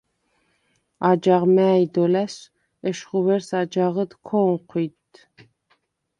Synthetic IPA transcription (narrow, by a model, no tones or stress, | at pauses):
ad͡ʒaʁmæːjd̪ɔlæs | ɛʃχuvɛɾsad͡ʒaʁəd̪kʰɔŋqʰwit̪